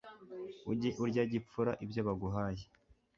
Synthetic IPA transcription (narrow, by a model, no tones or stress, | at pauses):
uɟeʔuɾɟaɟip͡fuɾa̰ʔibjoβaɡuɦaːje̥